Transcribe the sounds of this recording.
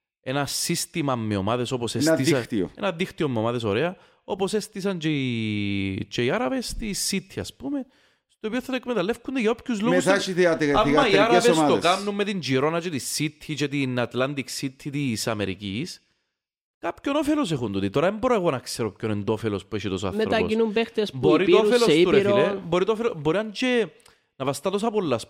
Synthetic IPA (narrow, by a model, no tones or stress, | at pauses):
enɐsist̪imɐmːeo̰maðeso̞posesɐiist̪io̰ḛnɐðixt̪iomːemaðesoɾeɐ | opose̞st̪isɐnt͡ʃei | t͡ʃeiaɾɐvest̪isːit̪ʰçiɐ̰spume | st̪opioθːɐt̪oekmet̪ɐlefkund̪eʝɐo̞pçuzlomeusθaʃiθiɐt̪eamːɐiaɾɐeveosaðokanːumːet̪iɲd͡ʒiɾo̞nɐt͡ʃet̪isːit̪ʰçit͡ʃet̪inɐt̪lɐnd̪iksit̪ʰːit̪isɐ̰meɾḭcis | kapçonofelos̬exunt̪ut̪it̪oɾɐðemboɾoeɣonɐkseɾopçonend̪ofelospueʃit̪osa̰θmeɾɐo̰inumpext̪esboɾit̪oofelost̪uɾeɾiɾeboɾit̪oofeloboɾiɐɲd͡ʒe | nɐvɐst̪ɐt̪os̬ɐpolːɐs